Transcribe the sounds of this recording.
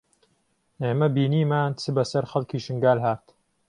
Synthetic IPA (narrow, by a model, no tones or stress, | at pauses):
eːmɐbiːniːmaːnt͡sʰɨbɐsɐɾxɐlkiːʃɨŋɡaːlɦaːɾt̪